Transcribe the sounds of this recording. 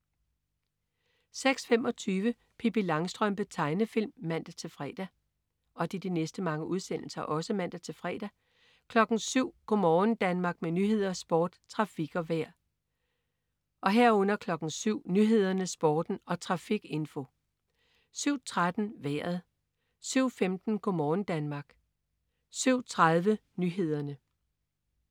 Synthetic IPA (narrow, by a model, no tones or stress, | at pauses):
seɡ̥sfemɒ̽t͡sʰyːʋə | pʰipilɑ̈ŋsd̥ʁœmb̥ət͡sʰɑ̈ɪnəfil̰mːæn̰d̥æt͡sʰe̝lfʁɛ̰ːd̥æ | ɒ̽d̥id̥inesd̥əmɑ̈ŋəuð̞ˠsen̰l̩sɐʔɒ̽səmæn̰d̥æt͡sʰe̝lfʁɛ̰ːd̥æ | kʰlɒ̽ɡ̥n̩syʊ̰ɡ̥ɔmɒːn̩d̥ænmɑ̈ɡ̥̚menyɦe̝ð̞̰ˠɐsb̥ɒːd̥t͡sʰʁɑ̈fiɡ̥ɒ̽ʋæɐ̰ | ʔɒ̽ɦæɐ̰ɔ̽n̰ɐkʰlɒ̽ɡ̥n̩syʊ̰nyɦe̝ð̞̰ˠɐnəsb̥ɒːd̥n̩ɒ̽t͡sʰʁɑ̈fiɡ̥e̝nfo̝ | syʊ̰t͡sʰʁad̥n̩ʋæɐ̰ð̩ˠ | syʊ̰femd̥n̩ɡ̥ʰomɒːn̩d̥ænmɑ̈ɡ̥ | syʊ̰t͡sʰʁaðˠʋə | nyɦe̝ð̞̰ˠɐnə